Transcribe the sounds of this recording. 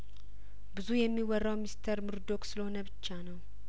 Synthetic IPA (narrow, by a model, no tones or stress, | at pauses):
bɨzujɛmːiwɔrːawmist̪ʰəɾmɨɾd̪o̞ksɨləho̞nəbɨt͡ʃːanəw